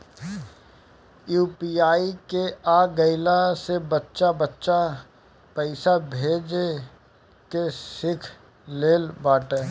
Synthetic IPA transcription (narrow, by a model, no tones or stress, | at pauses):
juːpiaːikeaːɡəɪlasebətːʃabətːʃa | pəɪsabʱeːd͡ʒ | kesɪkʰ | leːlbaːʈẽː